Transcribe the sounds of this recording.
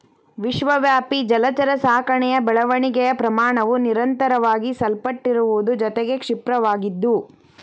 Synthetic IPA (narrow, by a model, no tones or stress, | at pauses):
ʋiʃʋɐʋjaːpid͡ʒɐlɐt͡ʃɐɾɐsaːkɐɳɛjɐbɛɭɐʋɐɳiɡɛjɐpɾɐmaːɳɐʋuniɾɐnt̪ɐɾɐʋaːɡisɐlpɐʈːiɾuʋud̪ud͡ʒɔt̪eɡe̞kʂipɾɐʋaːɡid̪ːu